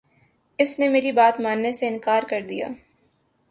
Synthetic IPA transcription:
ɪsnemeːɾibaːt̪maːnːeseɪnkaːɾkɐɾd̪ija̰ː

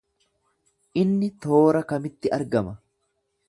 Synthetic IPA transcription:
ʔɪnːɪt̪o̞ːɾɐkɐmɪt̪ːɪʔɐɾɡɐmɐ

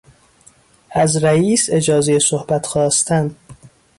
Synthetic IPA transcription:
æzɾæiːse̞d͡ʒɒːzejesohbæt̪ʰxɒːst̪ʰænd̪

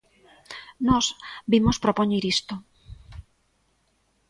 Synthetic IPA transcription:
nɔsbimospɾopoɲiɾist̪o

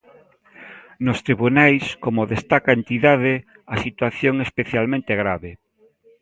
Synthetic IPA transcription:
nʊst̪ɾiβunajskomoðest̪akaent̪iðaðe | asit̪waθjoŋespeθjalmẽnt̪eɣɾaβe

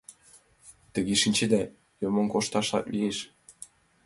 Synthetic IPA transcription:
t̪ə̆ɣeʃinʲt͡ɕed̪æ | jomŏŋkoʃt̪ɑʃlɑ̰klieʃ

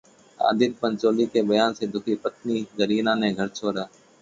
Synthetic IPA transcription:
a̰ːd̪ɪɾpənt͡ʃoːliːkeːbəjaːnseːd̪ʱʊkʰiːpət̪niːzəɾiːnãːnẽːɡʱəɾt͡ʃʰoːɾaː

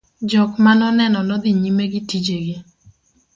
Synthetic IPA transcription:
d͡ʒɔkmanɔnɛnɔnɔd̪ɪɲimeɡɪtid͡ʒeɡɪ

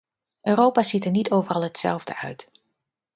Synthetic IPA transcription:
ʔøːrowpaːzitəɹnitowvərɑlˠɦətsɛ̰lˠvdə̰ʔœ̰ɥt

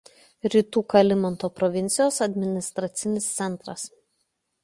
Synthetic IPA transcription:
ɾʲiːt̪uːkɐlʲɪmɔnt̪oːpɾɔʋʲɪnʲt̪sʲɪjoːsɐd̪ʲmʲɪnʲɪst̪ɾɐt̪sʲɪnʲɪst̪sʲɛnˑt̪ɾɐs

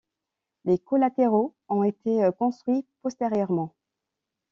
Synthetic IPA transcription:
lekɔlat̪eʁoɔ̃et̪ʰekɔ̃st̪χɥipɔst̪eʁjœʁmɑ̃

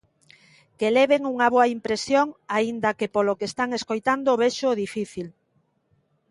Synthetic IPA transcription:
keleβeŋuŋɐβoaimpɾesjoŋaind̪ɐkepolokest̪aŋeskojt̪and̪oːβeʃoðifiθil

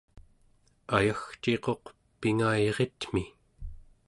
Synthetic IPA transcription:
ajaxt͡ʃe̞qo̞q | piŋajʁet̪m̥i

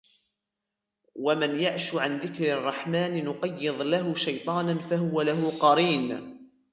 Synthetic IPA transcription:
wamanjaʕʃʊʕanðɪkɾɑrˤːɑħmaːnɪnʊqɑjːɨðˤlaɦʊʃajt̪ˤɑːnanfahʊwalaɦʊqɑɾiːn

